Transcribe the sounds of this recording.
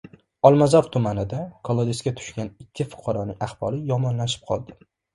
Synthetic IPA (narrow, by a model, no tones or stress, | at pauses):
ɒlˠmazɒɾt̪ʰʊmanɪd̪akʰolˠod̪eskʲat̪ʰʊ̥ʃkʲanɪkʲːɪfʊ̥qʰɑɾɒnɪŋaχb̥ɒ̰lɪjɒmɒnlaʃɪ̥p̚qʰɒlˠd̪ɪ